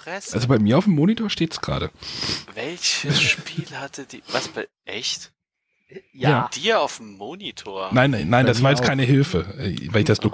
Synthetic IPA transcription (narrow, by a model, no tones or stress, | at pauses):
ɛsʔalzobaɪmiːɐaʊfmːoːnitʰoːɐʃteːtsɡ̥ʁa̰ːɾəvɛlçəʃpʰiːlhatʰədivasb̥a | ʔɛçt | jaːd̥iːɐaʊfm̩ːoːnitʰoːɐnaɪnːaɪnndasvaːɐjɛt͡stkʰaɪnəɦɪlfəʔɛ̰ːvalɪçd̥asd̥o